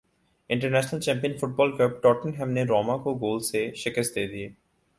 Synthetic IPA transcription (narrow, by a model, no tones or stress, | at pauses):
ɪɳʈəɾnɛʃnəlt͡ɕɛ̃mpijənfuʈ̚bɔlkəb̚ʈɔʈənɦɛmneɾɔmakoɡoːlseʃekesd̪eed̪ie